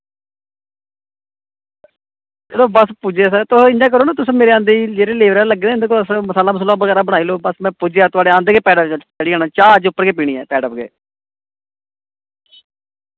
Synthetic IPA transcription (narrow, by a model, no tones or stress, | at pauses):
d͡ʒeːloːbəspud͡ʒeːsət̪ʊɪnd͡ʒãːk̬əɾoːnãːt̪ʊsːmeːɾeːãːnd̪ed͡ʒeːɾeːleːʋəɾaːləɡeːd̪eːɪnd̪eːkoːləsməsaːlaːməs̬əlaːʋəɣɛːɾaːbəɽ̃aːiːloːbəsmɛ̃ːpʊːd͡ʒeːaːt̪ʊaːɖeːãːnd̪eːkeːpɛːɖət͡ʃəɽiːaːnãːt͡ʃaːd͡ʒʊpːəɾkeːp̬iːɽ̃iːɛ̰ːpɛːɖəpɡḛː